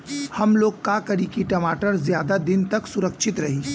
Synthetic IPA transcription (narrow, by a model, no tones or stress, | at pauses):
hɐmloːɡkakɐɾikiʈɐmaːʈəɾzjaːd̪ad̪ɪnt̪ɐksʊɾəkʃɪt̪ɾɐɦiː